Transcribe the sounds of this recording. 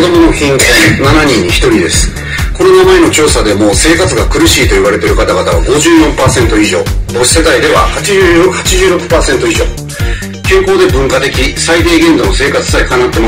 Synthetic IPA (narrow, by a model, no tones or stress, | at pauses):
od̪o̞mo̞nokʲĩŋkõnanaɲ̟ĩɲ̟ːiçi̥t̪o̞ɾʲid̪e̞sɨ̥ | ko̞nonamae̞no̞t͡ɕo̞ːsad̪e̞mo̞ːse̞ːkat͡sɨɡakɯ̟ɾɯ̟ɕiːt̪o̞iβaɾe̞t̪e̞ɾɯ̟kat̪aɡat̪aβ̞aɡo̞ʑɨːjõ̞mpaːsẽ̞nt̪o̞iʑo̞̰ːbo̞ɕi̥se̞d̪aid̪e̞βa̰hat͡ɕiʑːhat͡ɕiʑɨːɾo̞kɯ̟̥paːsent̪o̞iʑo̞̰ː | kẽ̞ŋko̞ːd̪e̞bɯ̟̃ŋkat̪e̞kʲisaid̪e̞ːɡẽ̞nd̪o̞nose̞ːkat͡sɨ̥saikanat̪ːe̞ma